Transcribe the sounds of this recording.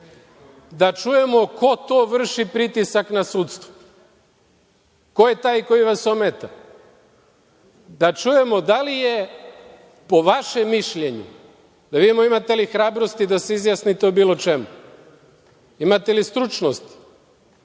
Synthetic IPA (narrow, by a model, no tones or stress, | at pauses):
d̪at͡ʃuje̞mo̞ko̞t̪oʋr̩ʃipɾit̪isaknasuːt̪st̪ʋo̥ | ko̞je̞t̪aːjko̞jiʋaso̞met̪a | d̪at͡ʃuje̞mo̞d̪alije̞ | po̞ʋaʃemːiʃʎe̞ɲṵ | d̪aʋid̪imoimat̪e̞lixɾaːbɾo̞st̪id̪aseizjasnit̪eubiːlo̞t͡ʃemu | imat̪elist̪ɾut͡ʃnost̪i̥